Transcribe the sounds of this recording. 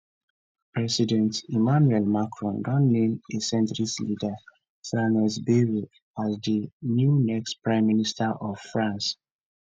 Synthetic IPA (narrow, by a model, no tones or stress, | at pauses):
pɹɛsidɛ̃ntimanuɛlmakʰɹɔ̃nɡãnːẽmdesɛ̃ntɹislida | sanɛsbiɹi | azdinjunɛkstpɹãɪ̃mːinistaʔɔv̥fɹãns